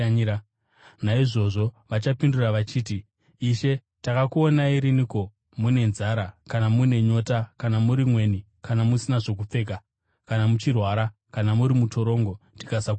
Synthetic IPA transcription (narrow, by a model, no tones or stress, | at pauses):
a | naiʐo̞ʐo̞ʋat͡ʃapinduraʋat͡ʃiːtiː | ʃe̞ | takakuonaiɾiniko̞ | mune̞nzaɾakanamune̞ɲo̞ːtakanamuɾimwe̞ni | kanamusinaʐo̞k̬up͡fe̞k̬a | kanamut͡ʃirwaːɾa | kanamuɾimuto̞ɾo̞ːŋɡo̞ti̥kasak